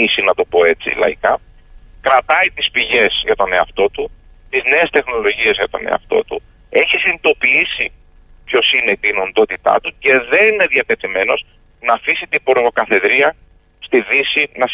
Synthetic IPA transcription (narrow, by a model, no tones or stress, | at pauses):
isinɐt̪o̞po̞e̞t͡sḭlɐ̰ikɐ | kɾɐt̪ɐit̪ispiʝe̞zʝɐt̪o̞ne̞ɐft̪o̞t̪u | t̪izne̞ːst̪e̞xno̞lo̞ʝie̞zʝɐt̪o̞̰ne̞̰ɐ̰ft̪o̞̰t̪u | e̞çisinit̪o̞piisi | pço̞sine̞it̪inond̪o̞t̪it̪ɐ̰t̪uce̞ðe̞nineðiɐt̪e̞t̪ime̞no̞z | nɐːfisit̪iboɾɣokɐθe̞ðɾiɐ | st̪iðisinɐs